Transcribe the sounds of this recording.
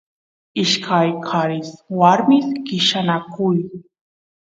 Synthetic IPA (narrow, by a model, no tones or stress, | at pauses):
ɪʃkʰajkʰaɾɪswaɾmɪskɪʃanakʊj